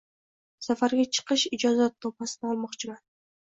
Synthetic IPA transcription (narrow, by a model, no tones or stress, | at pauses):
safaɾɡʲat͡ʃʰɨ̥qɨʃɪd͡ʒɒzat̪ʰːopasɪnɪɒlˠmɒqt͡ʃʰɪman